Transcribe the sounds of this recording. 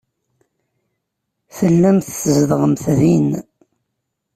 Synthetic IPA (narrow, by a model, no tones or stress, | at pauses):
fəlːæmθθəzðʁəmθðin